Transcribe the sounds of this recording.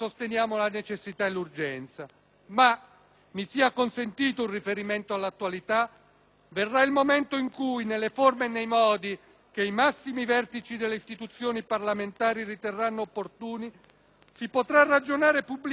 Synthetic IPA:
sost̪enjaːmolanet͡ʃesːit̪aelːurd͡ʒɛnt̪sa | ma | misiːakonsent̪iːt̪ounrifeɾiment̪oalːat̪ːwalit̪a | verːailmomɛnt̪oiŋkujnelːeformeːnːejmɔːd̪i | k̟eimasːimivɛrt̪it͡ʃid̪elːeist̪it̪ut̪sːjoːniparlament̪aːɾirit̪erːanːoːpːort̪uːni | sipot̪ɾarːad͡ʒonaːɾepubːl

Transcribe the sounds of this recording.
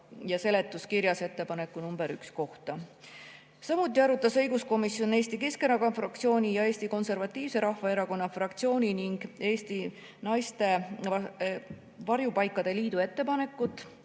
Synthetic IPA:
jɑse̞le̞t̪ˑːuskiɾjɑse̞t̪ːe̞pɑne̞kːunumbeɾyksko̞ht̪ɑ | sɑmut̪ːˑiɑɾut̪ːˑɑsɤjɡusko̞misjo̞ne̞ːst̪ike̞ske̞nɑkɑfrɑk̚t̪sio̞ːnʲijɑe̞ːst̪iko̞nse̞rvɑt̪ːˑiːvse̞ɾɑhvɑeɾɑko̞nːɑfrɑkt̪sio̞ːnʲiniŋɡ̥e̞ːst̪i | nɑjst̪e̞ | vɑɾjupɑjkːˑɑd̪̥e̞liːd̪̥ue̞t̪ːe̞pɑne̞kːˑut̪ːˑ

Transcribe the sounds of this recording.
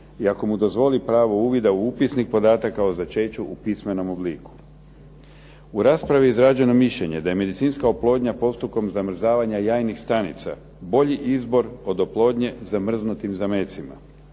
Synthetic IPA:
iako̞mud̪o̞zʋo̞lipɾaːʋo̞uːʋid̪auupisnik̚po̞d̪aːt̪akaozat͡ʃe̞ːt͡ɕuʔupisme̞no̞mo̞bliːku̥ | uɾaːspɾaʋiizɾad͡ʑe̞no̞miʃʎe̞ɲe̞d̪aje̞me̞d̪it̪siːnskaoplˠo̞ːd̪ɲapo̞st̪uko̞mzamr̩zaːʋaɲajaːjnixst̪anḭt̪sa̰ | bo̞ʎiʔizbo̞ɾo̞d̪o̞plˠo̞ːd̪ɲe̞zamr̩znut̪imzameːt̪sima̰

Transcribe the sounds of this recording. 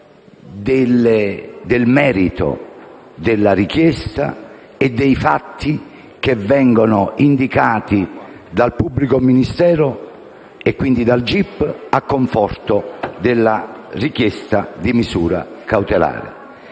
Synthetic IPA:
d̪ɪled̪ɪlmɛːɾit̪o̰ | d̪ɪlːaɾikjɛst̪a̰ | ed̪ːejfat̪ʰːi | kevːɛŋɡonʊind̪ikaːt̪i | d̪alpubːlikominist̪ɛːɾʊ | ekːwind̪id̪ald͡ʒipːakːoɱfɔrt̪ʊd̪ɪlːarikjɛst̪ad̪imisuːɾa̰kawt̪ela̰ːɾɪ̰

